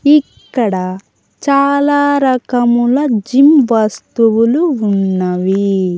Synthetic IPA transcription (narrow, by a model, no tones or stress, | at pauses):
ikːɐɽɐ | t͡ʃaːlaːɾɐkɐmulɐd͡ʒimʋɐst̪uʋuluunːɐʋi